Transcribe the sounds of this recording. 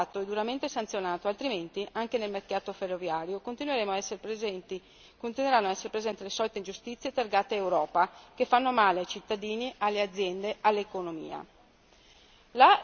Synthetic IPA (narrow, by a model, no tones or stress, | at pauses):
aːt̪oɛd̪uɾament̪esant̪sjonaːt̪oalt̪ɾiment̪iʔaŋkenelmerkaːt̪oferːovjaːɾjokont̪inweɾeːmoaɛsnt̪i | kont̪inweɾanːoaɛsːeɾepɾezɛnt̪ilesɔːlit̪eind͡ʒust̪it̪sːjet̪erɡaːt̪eewɾɔːpakefːanːomaːleajt͡ʃit̪ːad̪iːniʔalːead̪zːjɛnd̪ealːekonomḭːa̰ | la